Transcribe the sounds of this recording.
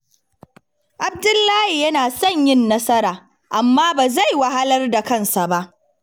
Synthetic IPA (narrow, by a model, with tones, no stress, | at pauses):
ʔa˨b̚dʊ˦lːaː˦hi˨jɐ˦naː˨sɐ˦˨ɲjɪ˦nːɐ˦sɐ˦ɾaː˨ | ʔa˨mːaː˦baː˨za˦˨jwɐ˦ha˦lɐ˦rda˨kɐ˦˨nsa˨ba˦ʔ